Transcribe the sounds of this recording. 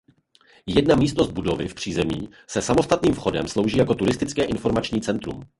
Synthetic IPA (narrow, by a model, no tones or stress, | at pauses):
jɛdnamiːst̪no̞zd̪̚budo̞vɪ̰fpr̝̥iːzɛmḭː | sɛsamo̞st̪at̪niːmfxo̞dɛ̰mslo̞wʒiːjako̞t̪uɾɪst̪ɪt͡skɛːʔɪnfo̞ɾmat͡ʃɲiːt͡sɛnt̪ɾṵm